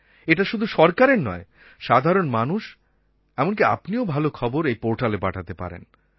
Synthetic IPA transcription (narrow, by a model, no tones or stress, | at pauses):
eʈaʃud̪ʱuʃɔɾkaɾenɔe | ʃad̪ʱaɾonmanuʃ | ɛmonkia̰pniobʱalokʰɔboɾejpoɾʈaleba̰ʈʰat̪epa̰ɾḛn